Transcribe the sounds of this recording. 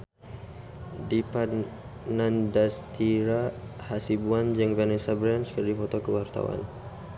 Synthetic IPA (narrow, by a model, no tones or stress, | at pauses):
dipa | nandast̪iɾahasibuand͡ʒəŋvanɛsabɾɛnskərdifɔt̪okəwart̪a̰wa̰n